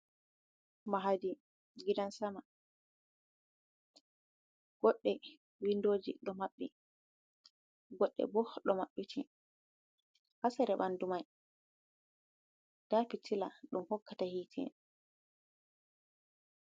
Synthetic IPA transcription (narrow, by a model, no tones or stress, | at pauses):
maɦadi | ɡidansama | ɡ̥ɔɗːɛ | windoːd͡ʒḭɗɔmaɓːɛ | ɡɔɗːɛ̰bɔɗɔmaɓːitʰi | hasɛɾɛbandumaj | d̥apitʰilaɗumhɔkːatahiːtʰɛ̰